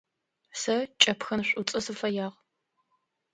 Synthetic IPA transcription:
sɐt͡ʃʼɐpxɐɕʷʼʊt͡sʼɐsɨfɐjaːʁ

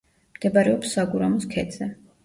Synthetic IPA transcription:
md̪̥ɛbaɾɛɔpsːaɡuɾamɔskʰɛd̪z̥ɛ

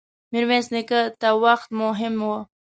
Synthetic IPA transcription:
miɾmesnɪkət̪awaxt̪mʊɦɪmwo

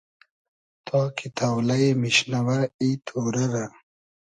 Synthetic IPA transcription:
t̪ʰokit̪ʰawlɐemiɕnɐwɐit̪ʰuːɾɐɾa

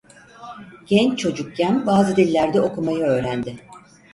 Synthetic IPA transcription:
ɟ̥ɛnt͡ʃt͡ʃʰo̞d͡ʒuk̚cʰænbaːzɯd̪ilʲːæɾd̪ɛo̞kʰumajɯø̞ːɾænd̪ɪ

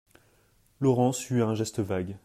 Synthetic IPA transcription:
lɔʁɑ̃syɛ̃ʒɛst̪əvaɡ

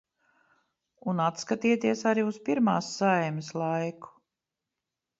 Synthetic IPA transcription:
unat̪skat̪iɛt̪iɛsaɾiuspiɾmaːsːajmɪslˠajku̥

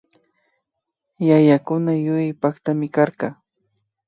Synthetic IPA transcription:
jajakʊnajʊjɪjpakt̪amɪkaɾqɑ

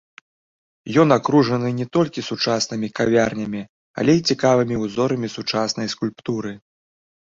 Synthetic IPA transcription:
jɔnakɾuʐɐnɨnʲɛt̪ɔlʲkʲisut͡ʂasnɨmʲikavʲarnʲɐmʲi | a̰lʲɛjit͡sʲikavɨmʲiuzɔɾɐmʲisut͡ʂasn̪ɐjskulʲpt̪uɾɨ

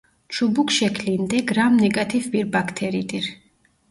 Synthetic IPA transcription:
t͡ʃʰubukʰʃɛkʰlind̪ɛɡɾamnɛkʼat̪ʰifbiɾbakʰt̪ʰɛɾit̪ʼiɾ

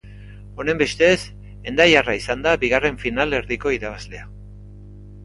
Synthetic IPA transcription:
o̞ne̞mbe̞st̪e̞s | e̞nd̪ajaraisand̪abiɣare̞ɱfinale̞ɾðiko̞iɾaβ̞azle̞a

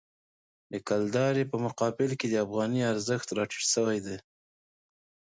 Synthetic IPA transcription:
d̪əkald̪ɑɾepəmʊqɑbɪlked̪əafɣɑniaɾzəxt̪ɾɑʈi̥səwajd̪e

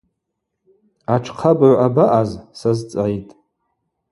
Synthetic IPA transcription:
aʈ͡ʂʰqʰabaʕʷabaʔazsazt͡sʼʕjtʼ

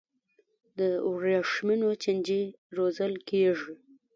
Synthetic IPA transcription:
d̪əʊɾjɑʂminot͡ʃand͡ʒi | ɾozəlkeʐi

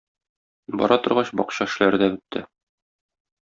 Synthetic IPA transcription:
bɒ̰ɾɑt̪ŏɾʁɑɕbɒ̰qɕɑɘ̆ʃ̆læɾd̪æbɘ̆t̪ːɘ

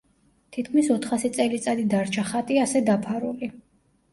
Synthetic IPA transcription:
t̪ʰit̪̚ʰkʰmisɔt̪ʰχasit̪sʼɛlit̪sʼad̪id̪aɾt͡ʃʰaχat̪ʼiasɛd̪apʰaɾuli

